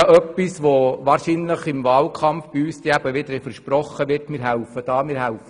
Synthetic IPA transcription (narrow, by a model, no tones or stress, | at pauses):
ʔœpːisʋoʋɑːɾʃinləχɪmvɑːlkʰɑmfb̥iyːst̪iæb̥əʋɪd̪əɾɛfəɾʃpɾɔχːəʋɪrtmɪːɾɦæʊfəd̥ɑːmɪːɾhæʊfə